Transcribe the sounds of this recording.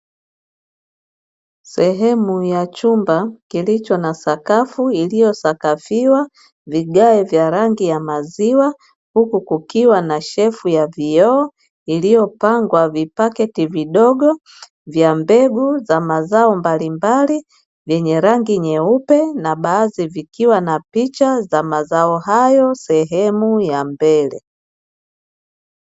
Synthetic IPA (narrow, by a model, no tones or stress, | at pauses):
sɛɦɛmujat͡ʃumbakilit͡ʃɔnasakafuilijɔsakafiwa | viɡaɛvjaɾaŋɡijamaziwa | hukukukiwanaʃɛfujavijɔː | ilijɔpaŋɡwavipakɛtiviɗɔɡɔ | vjambɛɡuzamazaɔmbalimbali | vjɛɲɛɾaŋɡiɲɛupɛnaɓaːzivikiwanapit͡ʃazamazaɔɦajɔsɛɦɛmujambɛlɛ̰